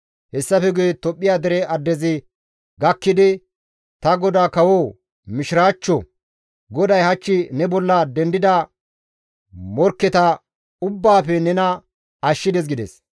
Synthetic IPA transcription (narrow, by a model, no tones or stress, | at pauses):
hɛsːɐfɛɡʊjɛt̪ɔpʼːɪjaːd̪ɛɾɛɐd̪ːɛzɪ | ɡɐkːɪd̪ɪ | t̪ɐɡɔd̪aːkɐwoː | mɪʃɪɾaːt͡ʃːɔ | ɡɔd̪ɐjhɐt͡ʃːɪnɛbɔlːɐd̪ɛnd̪ɪd̪ɐ | mɔɾkːɛt̪ɐ | ʊbːaːfɛnɛnɐ | ɐʃːɪd̪ɛs̬ɡɪd̪ɛ̰s